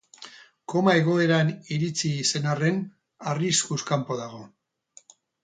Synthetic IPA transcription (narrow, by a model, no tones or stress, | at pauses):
ko̞mae̞ɣ̞o̞e̞ɾaniɾit͡siːse̞nare̞n | ariskuskampo̞ðaɣ̞o̞